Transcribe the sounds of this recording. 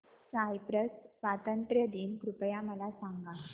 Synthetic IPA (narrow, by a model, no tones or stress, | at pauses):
sajpɾəssʋat̪ənt̪ɾjəd̪iːnkɾupəjaməlasaŋɡa